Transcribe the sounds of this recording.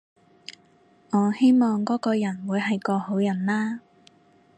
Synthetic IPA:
ŋɔː˨˧he˥jmɔː˨ŋkɔː˨˥kɔː˧jɐ˨˩nwuː˨˧jɦɐ˨jkɔː˧ho˨˥wjɐ˨˩nlaː˥

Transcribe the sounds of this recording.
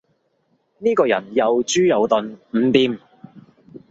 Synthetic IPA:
niː˥kɔː˧jɐ˨˩njɐ˨wt͡ʃyː˥jɐ˨˧wt̪ɵ˨˧nm̩˨˩˥t̪iː˨˧m

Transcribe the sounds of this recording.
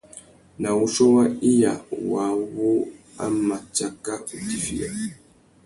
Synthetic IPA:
na˨wu˦ʃo˦wa˦i˦ja˨wa˨˦βo˦ | a̰˦ma˨t͡ʃa˦ka˦u˨ti˨fi˦ja̰˨

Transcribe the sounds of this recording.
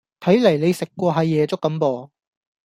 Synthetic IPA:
t̪ʰɐ˨˥jlɐ˨˩jle˨˧jsɪ˨kːʷɔː˧ɦɐ˨˧jːɛː˨˧t͡sʊ˥kːɐ˨˥mpɔː˨˧

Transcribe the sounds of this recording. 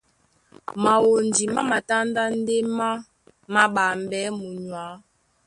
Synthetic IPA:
ma˨wo˨ndi˨ma˦ma˨ta˦n˦da˦n̩˦de˦ma˦ | ma˦ɓa˨m˨bɛ˨˦mu˨ɲwa˨˦

